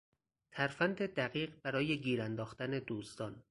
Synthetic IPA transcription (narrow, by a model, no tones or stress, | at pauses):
t̪ʰæɾfænd̪e̞d̪æɣiːɢbæɾɒːje̞ɡiːɾænd̪ɒːxt̪æne̞d̪uːst̪ɒːn